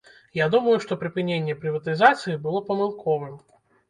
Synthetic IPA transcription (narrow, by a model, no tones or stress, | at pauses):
jad̪uməjuʂt̪ɔpɾʲɪpɨnʲenʲːɪjɛpɾʲɪvɐt̪ɨzat̪sɨjibɨlˠɔpɐmɨlˠkʰɔvɨm